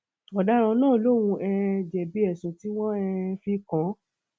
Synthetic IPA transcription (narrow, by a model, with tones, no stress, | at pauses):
ɔ˨da˦ɾ̃ã˧nãː˦˨lo˦˨w̃ũ˧ʔɛ˧d͡ʒɛ˨bi˨˦ɛ˨sũ˨ti˦w̃ɔ̃˦ɛ˧fi˧kã˨˦